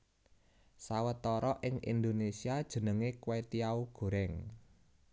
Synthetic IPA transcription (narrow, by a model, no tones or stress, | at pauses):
sawət̪ɔɾɔʔɪŋḭnd̪onesiad̥ʒ̥ə̤nəŋekwet̪iauɡ̥o̤ɾɛŋ